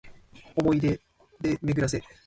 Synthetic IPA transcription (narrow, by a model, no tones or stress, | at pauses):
omo̞id̪e | d̪emeɡɯɾas̬e̞